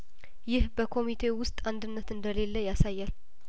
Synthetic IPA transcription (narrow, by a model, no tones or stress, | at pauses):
jɪhbəkʰo̞mit̪ʰe̞wʊst̪ʼand̪ɨnːət̪ɨnd̪əle̞lːəjasajːal